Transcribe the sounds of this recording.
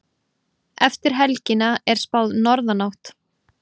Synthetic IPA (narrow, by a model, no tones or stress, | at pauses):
ɛft̪ɪɾ̥ɦɛlcɪnaɛɾ̥spawðnɔɾðanawht̪